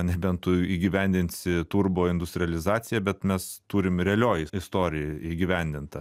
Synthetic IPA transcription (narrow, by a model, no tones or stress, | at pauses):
nʲɛbʲɛnt̪ʊiːɡʲɪʋʲɛnʲd̪ʲɪnʲt̪ʲsʲɪt̪urboːɪnd̪ʊsʲt̪ɾʲɪɛlʲɪzɑːsʲɪjɛbʲɛt̪mʲɛst̪uːɾʲɪmɾʲɛɛlʲoːjɪɪst̪oːɾʲɪjiːɡʲɪʋʲɛnʲd̪ʲɪnt̪ɐ